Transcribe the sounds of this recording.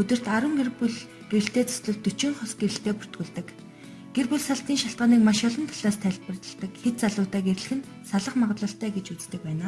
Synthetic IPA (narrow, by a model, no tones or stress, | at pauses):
ɵt̪ɵ̆r̥t̪aɾwə̆ŋɡerpuɮ | ɡ̥eɾɘ̆ɬt̪eːt͡sɔ̥sɮɞ̆ɮt̪ːɵt͡ɕɪ̆ŋχɔsɡeɾɘ̆ɬt̪eːpu̥r̥t̪ɡŭɮt̪ɘ̆k | ɡ̥erpuɮsaɮt̪iːŋʃaɬt̪ɢaːniːkmaʃɔɮə̆nt̪ʰaɮ̥aːst̪ʰæːɮpə̆rt̪ə̆ɮt̪ə̆kxet̪̚t͡saɮʊːt̪aːɡeɾɘ̆ɮ̆xɘ̆n | saɮə̆χmaʁt̪ɮə̆ɬt̪æːɡet͡ɕut͡st̪ɘ̆k̚pæːnaː